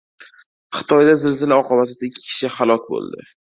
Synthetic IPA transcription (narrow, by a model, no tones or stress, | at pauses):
χɨ̥t̪ʰɒjd̪azɪlzɪlɪɒqʰɒbat̪ɪd̪aɪkʲʰːɪ̥kʲʰɪ̥ʃɪχalˠɒkʲbo̰lˠd̪ɪ̰